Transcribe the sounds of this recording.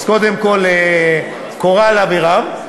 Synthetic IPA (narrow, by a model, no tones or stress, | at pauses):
zko̞d̪emko̞le | koʁalaviʁam